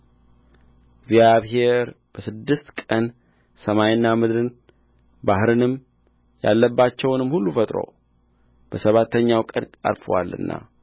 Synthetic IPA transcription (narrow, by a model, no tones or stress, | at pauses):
ɡzjaβɦe̞ɾ | b̥əsɨd̪ːɨst̪kʼən | səmajɪnːamɨd̪ɾɨn | bahɾɨnɨm | ja̰lːəbːat͡ʃːɛwnɨmhulːufət̪ʼɾo̰ | b̥əsəβat̪ʰːəɲːawkʼəɾtʼa̰ɾfə̰wa̰lːɨ̰nːʔa̰